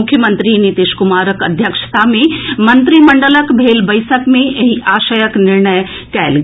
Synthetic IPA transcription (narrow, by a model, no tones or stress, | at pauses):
ʊkʰːjəmə̃nt̪ɾinit̪iːʃkʊmaːɾəkɐ̰d̪ʱjəkʃə̥t̪amẽmɐnt̪ɾimɐɳɖələkbʱeːlbɐjsəkmẽjɐɦiʔaːʃəjəknɪɾɳəj | kɛːl